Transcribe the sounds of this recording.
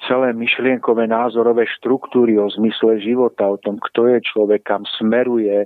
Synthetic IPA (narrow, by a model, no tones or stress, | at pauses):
t͡sɛlɛːmiʃlɪɛŋkɔʋɛːnaːzɔɾɔʋɛːʃt̪ɾukt̪uːɾiɔzmislɛʒiʋɔt̪aɔt̪ɔmkt̪ɔjɛt͡ʃlɔʋɛkʰːamsmɛɾujɛ